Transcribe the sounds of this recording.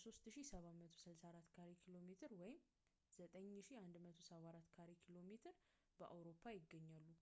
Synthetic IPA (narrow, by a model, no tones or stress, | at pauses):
so̞st̪ʃisəβamət̪ʰo̞sɨlsaɾat̪ːkʰaɾekʰilo̞met̪ʰɨɾwɔjɪm | z̥ət̪ʼəɲːʃiand̪mət̪ʰo̞səβaɾat̪ːkʰaɾekʰilo̞met̪ʰɨɾ | bəʔa̰wɾo̞pʰːajɪɡːəɲːalːu